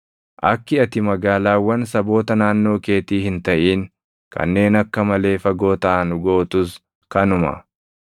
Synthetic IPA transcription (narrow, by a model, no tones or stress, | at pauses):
ʔɐkːɪɐt̪ɪmɐɡaːlaːwːɐnsɐbo̞ːt̪ɐnaːnːo̞ːke̞ːt̪iːhɪnt̪ɐʔiːŋ | kɐ̰nːe̞ːnɐkːɐmɐle̞ːfɐɡo̞ːt̪ɐʔɐnʊɡoːt̪ʊs | kɐnʊmɐ̰